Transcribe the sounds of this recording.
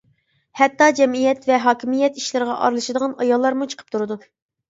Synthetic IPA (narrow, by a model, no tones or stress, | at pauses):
hɛt̪ːɑd͡ʒɛmijɛt̪vɛɦɑːkʲimijɛt̪i̥ʃlɪɾʁɑʔɑ̰ɾlˠɨʃɨd̪əʁɑnɑjɑlˠːɑɾmut͡ʃʰə̥qʰə̥pt̪ʰuɾɨd̪u